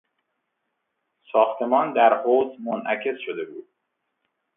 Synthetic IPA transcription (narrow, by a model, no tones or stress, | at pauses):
sɒːxt̪ʰe̞mɒːnd̪æɾhoːzmonʔæcʰe̞sʃod̪e̞buːd̪̥̚